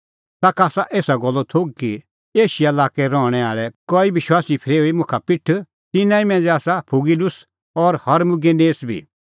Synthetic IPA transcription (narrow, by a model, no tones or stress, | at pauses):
t̪aːkaːsaʔeːsaɡɔlːɔt̪ʰoːɡ̚ki | eːʃijaɐlaːkɛɾɔ̃ːɽ̃ɛaːɭɛkɔːiʋɪʃwaːsipʰɪɾeːoimʊ̃kʰapɪʈʰ | t̪ɪnãːĩmɛ̃ːnd͡zɛaːsapʰʊɡilʊs | ɔɾhɐɾmʊɡeneːsbʱḭː